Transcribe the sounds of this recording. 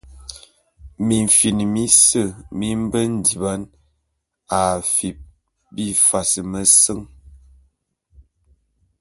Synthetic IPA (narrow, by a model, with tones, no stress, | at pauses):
mi˨ɱ˨fi˨ni˨mi˦sə˦˨mi˦m˦bə˦n̩˨di˨ba˦n | a˨fi˨p̚ | bi˦fa˨sə˨mə˨sə˦ŋ